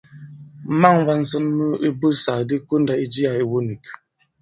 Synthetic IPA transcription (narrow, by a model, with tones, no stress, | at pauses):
ma˦˨ŋva˦n̩˨˦sə˦nmə˦i˦bə˦sa˨di˦ku˦n̩˦da˨i˦d͡ʒi˦ja˨i˨wo˦ni˨k